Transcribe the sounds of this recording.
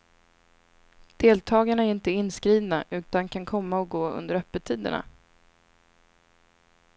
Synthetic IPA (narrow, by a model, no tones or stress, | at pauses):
d̪̥eːlt̪ʰɑːɡaɳaæɾɪnt̪əɪnːskɾiːvnaʔʉ̟ːt̪ankʰankʰɔmːaɔɡoːɵ̰nd̪əɾœpːət̪ʰiːd̪ə̰ɳa̰